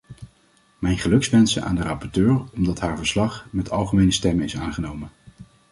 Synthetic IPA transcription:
mɛjnχəlɵksʋɛnsənʔa̰ːndərɑpɔɹtøːɹɔmdɑtɦaːɹvəɹslɑχmɛtʰɑ̰lˠχəmejnəstɛmənɪsaːnχənowmən

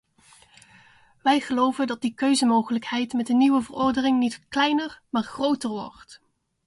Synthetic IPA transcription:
ʋɛjχəlowvəndɑt̚dikøɥzənmowχələkhɛjtmɛtdəniʋəvərɔɹdərɪŋnitklɛjnərmaːɹχrowtərʋɔ̰ɹt

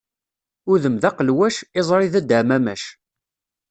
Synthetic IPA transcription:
ʊɾðəmðɑqəlwæʃɪzˤɾˤiðæd̪əʕmæmæʃ

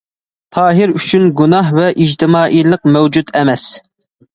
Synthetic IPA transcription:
t̪ʰɑːɦɪɾyt͡ʃʰynɡunɑɦvɛʔid͡ʒt̪ʰɪmɑːʔilˠəq̚mɛwd͡ʒut̪ɛmɛs

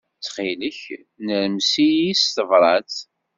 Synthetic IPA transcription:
t͡sːχiləç | nəɾəmsijist̪əvɾˤɑt͡s

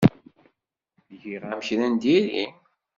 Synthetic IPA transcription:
ʝiʁæmçɾænd̪iɾḭ

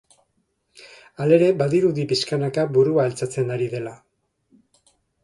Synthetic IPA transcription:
ale̞ɾe̞baðiɾuðipiskanakaβuɾuaelt͡sat͡se̞naɾiðe̞la

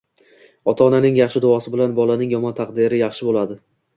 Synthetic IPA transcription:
ɒt̪ʰaːnanɪŋjɑχʃɪd̪ʊɒsɪbɪlanbɒlanɪŋjɒmɒnt̪ʰaqd̪ɪɾɪjɑχʃɪbolad̪ɪ

